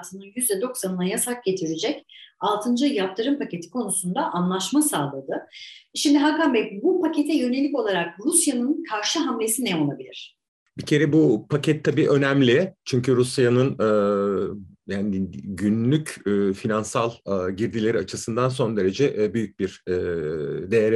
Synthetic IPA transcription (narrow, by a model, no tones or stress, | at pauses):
t̪ʰɯnɯnjyzd̪ɛd̪o̞ksanɯnajasak̚ɟe̞t̪ʰiɾid͡ʒɛcalˠt̪ʰɯnd͡ʒɯjap̚t̪ʰɯɾɯmpʰace̞t̪ʰi̥kʰo̞nusund̪aʔanlˠaʃmasaːlˠad̪ɯʃimd̪iɦakambɛpbupʰacʰe̞t̪ʰɛjø̞ne̞lʲiko̞lˠaɾak̚ɾusjanɯnkʰaɾʃɯɦamlʲe̞sinɛo̞lˠabilʲiɾ̝̥ | bicʰe̞ɾɛbupʰacʰɛt̪ʰːabiːʔø̞næmlʲɪt͡ʃʰyɲcyɾusjanɯnɯː | jaːniɟynlʲycːfinansalˠːɟiɾd̪ilʲe̞ɾiat͡ʃʰɯsɯnd̪anso̞nd̪e̞ɾe̞d͡ʒɛʔbyjyc̚biɾ̥ɛd̪e̞jeɾ